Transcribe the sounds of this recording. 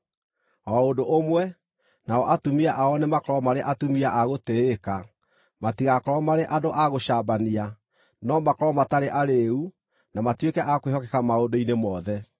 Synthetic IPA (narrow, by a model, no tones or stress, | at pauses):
ɔondoʔomwɛ | naɔʔatumiaʔaɔnemakɔɾɔmaɾeʔatumiaʔaɣoteeka | matiɣakɔɾɔmaɾeʔadoʔaɣoɕaːbania | nɔmakɔɾɔmataɾeʔaɾeu | namatwekɛʔakwehɔkɛkamaodoinemɔðɛ